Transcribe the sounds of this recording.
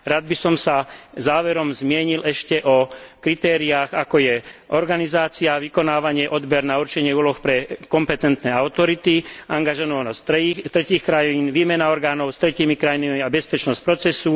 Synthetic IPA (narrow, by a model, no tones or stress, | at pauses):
ɾaːd̪̚bisɔmsazaːʋɛɾɔmzmɪɛɲilʔɛʃcɛʔɔkɾit̪ɛːɾiaːɣakɔjɛʔɔɾɡanizaːt͡siaʋikɔnaːʋaɲɪɛʔɔd̪bɛɾnauɾt͡ʃɛɲɪɛuːlɔxpɾɛkɔmpɛt̪ɛnt̪nɛːaʊt̪ɔɾit̪iaŋɡaʒɛnɔnɔstːt̪ɾɛciːxkɾajiːnʋiːmɛnaɔɾɡaːnɔʊst̪ɾɛciːmikɾajinamiabɛspɛt͡ʃnɔsc̚pɾɔt͡sɛsu